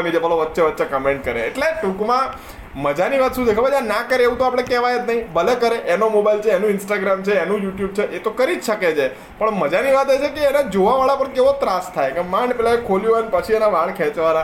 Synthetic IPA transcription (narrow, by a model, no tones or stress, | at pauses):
mid͡ʒebəloʋətːʃeʋətːʃekəmẽɳʈkəɾeːʈleʈũkmã | məd͡ʒaniʋat̪ʃũd̪ekʰabad͡ʒanakəɾeeʋũt̪oapɽ̃ekɛʋajet̪nəɦĩbəlekəɾeʔenomobajlt͡ʃʰeːnũɪnsʈaɡɾamt͡ʃʰeːnũjuʈjub̚t͡ʃʰeʔet̪okəɾid͡ʒʃəket͡ʃʰe | pəɳməd͡ʒaniʋat̪et͡ʃʰekeːnad͡ʒoʋaʋaɭapəɳkeʋot̪ɾast̪ʰajkemaɳpɛlaekʰolijoənepət͡ʃʰienaʋaɭkʰɛt͡ʃʋana